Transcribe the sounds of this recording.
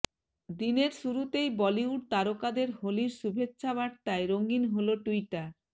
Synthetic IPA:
d̪ineɾʃuɾut̪ejbɔliuɾt̪aɾokad̪eɾholiɾʃubʱetːɕʰaβaʈ̚t̪aeɾoŋɡinɦoloʈujʈaɾ

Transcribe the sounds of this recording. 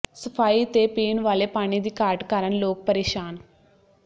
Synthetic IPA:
səpʰaːiːt̪eːpiːnʋaːleːpaːɽ̃iːd̪iːkaːɾʈkəɾənloːk̚pəɾeːʃaːn

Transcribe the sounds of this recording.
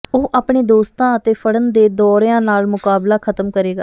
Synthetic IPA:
oːʔaːpɳeːd̪oːst̪ãːət̪eːpʰəɽənd̪eːd̪ɔːɾjãːnaːlmʊkaːblaːkʰət̪əmkəɾeːɡaː

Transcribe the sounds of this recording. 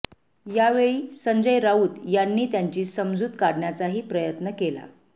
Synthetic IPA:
jaʋeɭiːsəɲd͡zəjɾauːt̪janːiːt̪jaɲt͡ɕiːsəmd͡zuːt̪kaɽɳjat͡saɦiːpɾəjət̪nəkela̰

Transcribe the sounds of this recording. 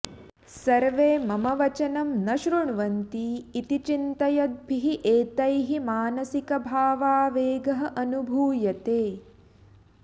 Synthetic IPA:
sɐɾʋeːmɐmɐʋɐt͡ʃɐnɐmnɐʃɾuɳʋɐnt̪iːt̪it͡ʃint̪ɐjɐd̪̚bʱiɦiʔeːt̪ɐjɦimaːnɐsikɐbʱaːʋaːʋeːɡɐɦɐ̆ʔɐnubʱuːjɐt̪eː

